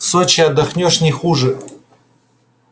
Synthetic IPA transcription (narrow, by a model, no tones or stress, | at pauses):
sot͡ɕɪɐd̪ːɐxnʲoʂnʲɪxuʐɨ